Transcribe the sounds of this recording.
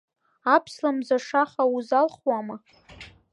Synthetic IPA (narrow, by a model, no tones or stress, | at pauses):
apʰslamzaʂaχauzalχwama